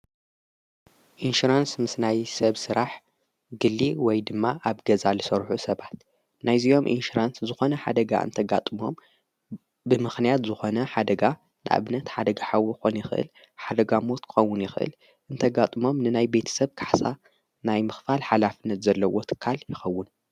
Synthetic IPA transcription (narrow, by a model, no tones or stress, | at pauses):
ʔinʃuɾansmɨsnajsɐβsɨɾaħ | ɡɨlːiwɔjd̪ɨmːaʔaβɡɐzalɨsɐɾħusɐβat̪ | najzijo̞mʔḭnʃuɾanszɨxo̞nɐħa̰d̪ɐɡa̰ʔɨ̰nt̪ʰɐɡat̪ʼɨmo̞̰m | bɨmɨxnijat̪zɨxo̞nɐħad̪ɐɡa | nɨʔa̰βnɐt̪ħad̪ɐɡaħawxonjɪxɨʔɨ̰l | ħad̪ɐɡamo̞t̪kʰɨ̥xɐwːʊnjɪxʔɨ̰l | ʔɨnt̪ʰɐɡat̪ʼɨmo̞mnɨnajbe̞t̪ʰɐ̥sɐβkʰaħsa | najmɨxfalħalafɨnːɐt̪zɐlːɐwo̞t̪ʰɨ̥kʰːaljɪxɐwːʊn